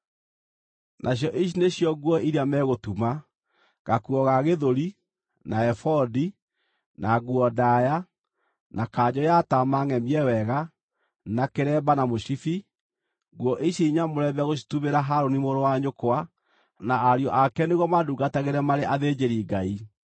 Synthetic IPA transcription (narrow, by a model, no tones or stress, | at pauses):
nʔaɕ̬jɔʔiɕ̬ineɕjɔɣwɔiɾiamɛɣotuma | ɣakuɔɣaɣeðoɾi | naɛfɔdi | naɡuɔdaja | nakaːd͡ʑɔjatamaŋɛmiɛwɛɣa | nakeɾɛbanamoɕifi | ɣwɔʔiɕiɲamoɾɛbɛɣoʃ̬i̥tumeɾaɦaɾonimoɾowaɲokoa | naːɾjɔʔakɛneɣwɔmaduɡataɣeɾɛmaɾeʔaðed͡ʑeɾiːɡai